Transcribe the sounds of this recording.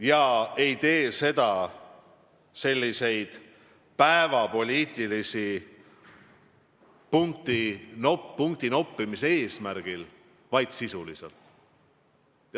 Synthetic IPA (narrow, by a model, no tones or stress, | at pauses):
jɑe̞jt̪e̞ːse̞d̪̥ɑ | se̞lʲːise̞jd̪̥ | pæevɑpo̞lʲiːt̪ˑilisi | puŋk̚t̪inoːuŋkt̪ino̞pˑːimisee̞ːsmæɾɡ̥il | vɑjd̪̥sisulḭsḛlt̪ˑ